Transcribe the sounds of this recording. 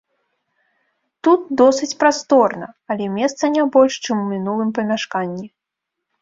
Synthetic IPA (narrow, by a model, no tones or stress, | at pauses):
t̪ut̪̚d̪ɔsɨt͡sʲpɾast̪ɔrnɐ̰ɐlʲɛmʲɛst̪sɐnʲabɔlʲʂt͡ʂɨmumʲinulˠɨmpɐmʲaʂkanʲːi